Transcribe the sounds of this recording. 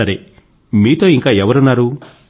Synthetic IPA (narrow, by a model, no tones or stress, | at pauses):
ɐɾe | miːt̪o̞ːiŋkaːɛʋɐɾunːaːɾu